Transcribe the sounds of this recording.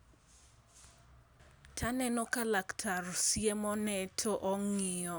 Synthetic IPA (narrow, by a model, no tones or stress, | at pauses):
tʰanɛnɔkalaktʰarɔsiɛmɔnɛtʰɔʔɔŋiɔ